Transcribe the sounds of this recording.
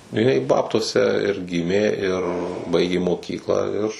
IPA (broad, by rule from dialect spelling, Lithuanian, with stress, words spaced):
jɪˈnɐɪ ˈbɑːptuɔsʲɛ ɪr ˈɡʲɪmʲeː ɪr ˈbɐɪɡʲeː moːˈkʲiːklˠɑː ɪr